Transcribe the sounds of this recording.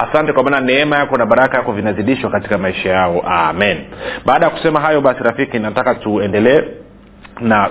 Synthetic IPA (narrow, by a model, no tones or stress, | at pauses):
asantɛkwamaːnanɛɛmajakɔnaɓaɾakajakɔvinaziɗiʃwakati̥kamaiʃajaɔʔa̰minɓaːɗajaku̥sɛmaɦajɔɓasiɾafikinatakatuɛndɛlɛː | na